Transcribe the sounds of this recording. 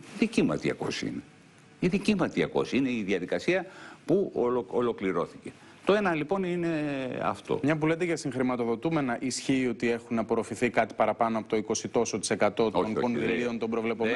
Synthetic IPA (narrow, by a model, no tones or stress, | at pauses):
iðicimɐ̰t̪iɐ̰ko̞̰sḭne | iðicimɐt̪iɐko̞̰siineiðiɐðikɐsiɐpuolo̞kliɾo̞θice̞ | t̪oe̞nɐlipo̞nine̞ɐ̰ft̪o̞̰mɲɐp̬ulet̪eʝɐsiŋxɾimɐt̪o̞ðo̞t̪ume̞nɐʔisçiːo̞t̪ie̞xunɐpoɾofiθikɐt̪i̥pɐɾɐpɐnoɐpo̞t̪oiko̞sit̪o̞so̞t̪i̥se̞kɐt̪o̞t̪onko̞nðilio̞nt̪o̞mbɾo̞vle̞po̞mm